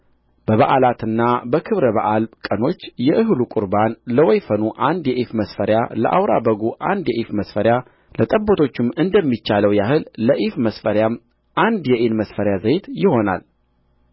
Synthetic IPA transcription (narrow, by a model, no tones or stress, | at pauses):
b̥əβaʔalat̪ɨnːabəkʰɨβɾəβaʔalkʼəno̞t͡ʃːjɛʔɨɦlukʼʊɾbanləwɔjfənuʔand̪jɛʔifməsfəɾjalə̰ʔa̰wɾa̰bəɡuʔa̰nd̪jɛʔifməsfəɾja | lət̪ʼəbːot̪ʰo̞t͡ʃːɪmːɨnd̪əmːit͡ʃːaləwjahɨlːəʔifməsfəɾjam | ʔand̪jɛʔenməsfəɾjazəjt̪jɪho̞na̰l